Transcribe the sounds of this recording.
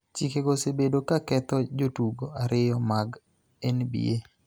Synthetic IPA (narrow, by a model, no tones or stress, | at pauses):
t͡ʃikeɡosebedokakɛt̪ɔd͡ʒotuɡoaɾɪjɔmaɡ | ɛnbḭe